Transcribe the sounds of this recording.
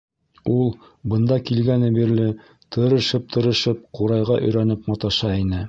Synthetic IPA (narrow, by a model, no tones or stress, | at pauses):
ulˠ | bɤ̆nd̪ɑkilɡænɘ̆biɾlɘ | t̪ʰɤ̆ɾɤ̆ʃɤp̚t̪ʰɤ̆ɾɤ̆ʃɤp̚quɾɑjʁɑʔɵ̆jɾænɘpmɑt̪ɑʃɑinɘ